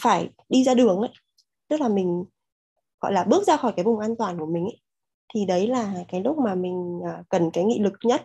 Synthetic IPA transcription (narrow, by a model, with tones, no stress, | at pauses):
faː˧˩j | ɗi˧zaː˧ɗɨ˨˩əŋʔə̰˧˦j | t̪ɨ˦˥k̚laː˨˩mï˨˩ŋ̟ | ɣɔ̰˧˨jlaː˨˩ɓɨ˦˥ək̚zaː˧xɔ˧˩jkaː˨˦jvʊ˨˩ŋ͡mʔaː˧nt̪waː˨˩nku˧˩əmï˨˩ŋ̟ʔə̰˨˦ | t̪ʰi˨˩ɗə˨˦jlaː˨˩kaː˨˦jlʊ˦˥k͡p̚maː˨˩mï˨˩ŋ̟ʔəː˨˩kə˨˩nkaː˨˦jŋḭ˧˨lɨ˨˩k̚ɲə˦˥t̚